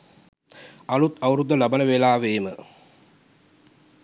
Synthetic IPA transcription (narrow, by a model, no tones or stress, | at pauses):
ɐlut̪ɐwuɾud̪ːəlabɐnəʋelaːʋeːmə